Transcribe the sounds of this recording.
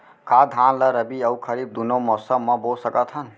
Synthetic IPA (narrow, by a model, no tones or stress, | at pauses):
kad̪ʱanləɾəbiəukʰəɾib̚d̪unomɔsəmmːəbosəkət̪ʰɦən